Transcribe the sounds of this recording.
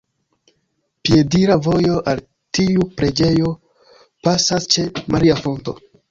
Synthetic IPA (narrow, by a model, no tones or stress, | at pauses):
pie̞diɾavo̞jo̞ʔal | tiupɾe̞d͡ʒe̞jo̞ | pasast͡ʃe̞maɾiafo̞nto̞̰